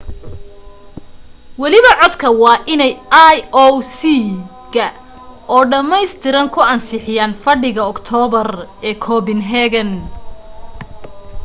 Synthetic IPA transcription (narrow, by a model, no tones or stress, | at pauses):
wɑlɪβɐʕɔd̪kʰɐwɑːʔɪnɛjajɔsi | ɣɐ | ɔːɖɐmɛjst̪ʰɪɾɐŋkʰʊɐnsɪħɪjaːnfɐɖɪɣɐɔkt̪ʰɔːβɐrɛːkʰɔːbɪnɦɛɣɐn